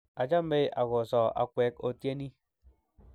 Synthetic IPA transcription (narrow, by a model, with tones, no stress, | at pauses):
a˨d͡ʒa˦m˦be˦a˨ɣo˨sɔ˨a̰˨kʷwɛ˨˦ko˦tje˦ni˦